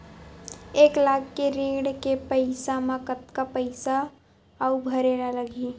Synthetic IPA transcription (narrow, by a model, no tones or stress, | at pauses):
eːklaːɡkːeɾeːɽkepəɪsamãkət̪kapəɪsaː | ubʱɐɾenaləɡi